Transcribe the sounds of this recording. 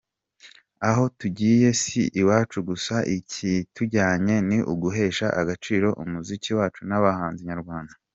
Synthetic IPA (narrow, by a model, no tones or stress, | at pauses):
aɦo̞tuɟiːje̞siʔiwaːt͡ʃuɡusaʔicʰituɟaːɲe̞niʔuɡuɦe̞ːʃaʔaɡat͡ʃiːɾo̞ʔumuziciwaːt͡ʃunaβahaːnziɲaɾɡwaːndḁ